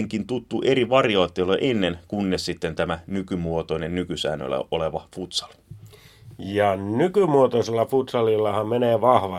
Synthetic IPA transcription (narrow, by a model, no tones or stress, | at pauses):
ŋkint̪ut̪ːuʔeriʋɑrjoːt̪ːelːoʔenːenkunːessit̪ːent̪æmænykymuot̪oinennykysæ̰ːnːø̰lːæ̰ʔoleʋɑfut̪sɑ̥l | jɑnykymuot̪oselːɑfut̪sɑlilːɑhɑmmeneːʋɑhʋɑ